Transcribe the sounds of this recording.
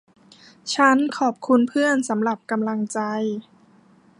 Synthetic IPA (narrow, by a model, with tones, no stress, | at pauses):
t͡ɕʰa˦˥nkʰɔː˨˩p̚kʰu˧npʰɯ˥˩ənsa˩˦mɾa˨˩p̚ka˧mla˧ŋt͡ɕa˧j